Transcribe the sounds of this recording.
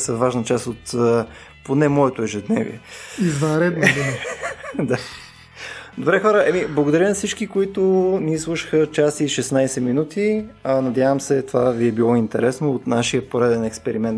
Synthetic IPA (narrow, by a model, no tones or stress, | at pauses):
səvaʒnət͡ʃast̪ot̪ | ponɛmɔɛt̪oɛʒɛd̪nɛvḭɛizvɐnɾɛd̪nd̪u | d̪a | d̪obɾɛxɔɾəʔɛmiblˠɐɡod̪ɐɾinɐfsit͡ʃkikoit̪ʊniːslˠuʃə̥xət͡ʃasiʃɛsnajsɛminut̪ʰianɐd̪ʲjavəmsɛt̪ovaviɛbilˠɔint̪ɛɾɛsnoːt̪naʃiəpoɾɛd̪ɛnɛkspɛɾimɛnt̪